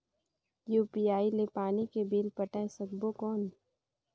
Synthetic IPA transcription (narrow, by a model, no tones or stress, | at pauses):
juːpiaːilepaːnikebiːlpəʈaesəɡ̚bokɔːn